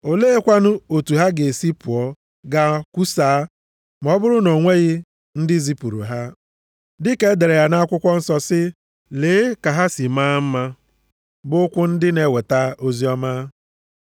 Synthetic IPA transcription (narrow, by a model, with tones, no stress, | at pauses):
o˨leː˦e˦kʷa˦nʊ˦o˨tu˨ɦa˦ɡe˨si˦pu˨ɔ˨ | ɡa˦ku˦saː˨˦ | m˨ɔ˦bʊ˦ɾʊ˦no˨ŋʷe˦ɣɪ˦ | n̩˦dɪ˦zi˦pu˨ɾṵ˨ɦa˦ | dɪ˦ke˦de˨ɾe˨ja˨na˦kʷʊ˦kʷɔ˦n̩˦sɔ˦sɪ˦ | leː˨˦ka˨ɦa˦si˨maː˦m̩˦ma˦ | bʊ˦kʷʊ˦n̩˦dɪ˦ne˦we˨ta˦o˦zi˦ɔ˦ma˦